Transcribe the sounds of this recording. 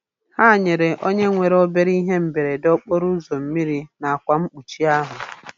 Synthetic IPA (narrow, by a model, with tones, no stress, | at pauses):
ha˦˨ɲe˨ɾe˨ʔo˦ɲe˦ŋʷe˨ɾo˦be˦ɾi˦ɦe˦m̩˨be˨ɾe˨dɔ˦k͡po˦ɾu˦zo˨m̩˦mi˦ɾi˨na˨a˨kʷa˨m̩˦k͡pu˨t͡ʃi˦a˦ɦʊ˨